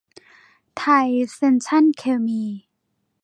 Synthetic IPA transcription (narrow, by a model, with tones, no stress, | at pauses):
t̪ʰa˥˧˩jse˧nt͡ɕʰa˥˨nkʰe˧˩miː˧